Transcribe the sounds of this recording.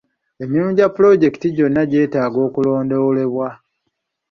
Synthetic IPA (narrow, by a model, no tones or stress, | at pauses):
e̞miumuɟapːulo̞ɟe̞kitiɟo̞nːaɟe̞ːtaːɡo̞ːkulo̞ːndowole̞βwa